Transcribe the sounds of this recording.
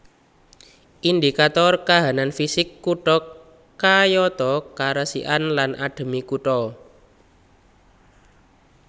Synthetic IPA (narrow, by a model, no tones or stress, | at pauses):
ʔind̪ikat̪ɔrkaɦananfisɪkːuʈɔkː | ajɔt̪ɔkaɾəsḭʔanlanʔa̰ɖ̪̥ə̤mikuʈɔ